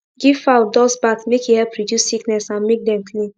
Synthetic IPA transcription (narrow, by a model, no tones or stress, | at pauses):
ɡivaʊdɔsbatmekjuhɛlpɹidjussiknɛsãnmek̚dɛ̃mkʰlĩn